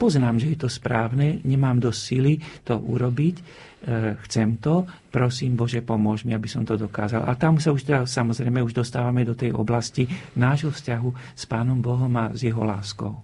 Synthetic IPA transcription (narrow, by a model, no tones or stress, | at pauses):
pɔznaːmʒɛjɛt̪ɔspɾaːʊnɛɲɛmaːmd̪ɔssilit̪ɔʔṵɾɔbic | xt͡sɛmt̪ɔpɾɔsiːmbɔʒɛpɔmʊɔʒmiabisɔmt̪ɔd̪ɔkaːzalʔa̰t̪amusauʃt̪ɛd̪asamɔzɾɛjmɛuʒd̪ɔst̪aːʋamɛd̪ɔt̪ɛjɔ̰blascinaːʒɦɔfscaɦuspaːnɔmbɔɦɔmazjɛɦɔ̰laːskɔ̰ʊ